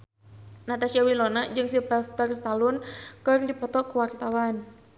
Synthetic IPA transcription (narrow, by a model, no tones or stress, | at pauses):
nat̪asiawilɔnad͡ʒɨŋsipast̪ərst̪alʊnkɨrdipɔt̪ɔkəwart̪awan